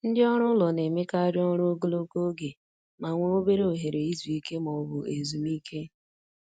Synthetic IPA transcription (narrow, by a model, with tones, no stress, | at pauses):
n̩˦dɪ˦ɔ˦ɾ̃ʊ˦lɔ˨ne˨me˦ka˦ɾjɔ˦ɾo˦ɡo˦lo˦ko˦ɡe˨ | ma˨ŋʷo˨o˦be˦ɾe˦o˨ɦe˨ɾe˨i˦zu˨i˦ke˦mɔ˨bʊ˨e˨zu˨mi˦kʰe˦